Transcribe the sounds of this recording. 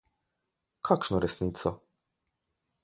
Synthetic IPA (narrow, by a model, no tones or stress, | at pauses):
kʰakʂnɔɾɛsnit̪sɔ